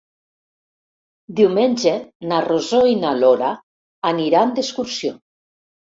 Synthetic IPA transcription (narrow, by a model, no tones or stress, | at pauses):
d̪iwmenʲd͡ʒenarozoinaloɾaː | niɾand̪eskuɾsjo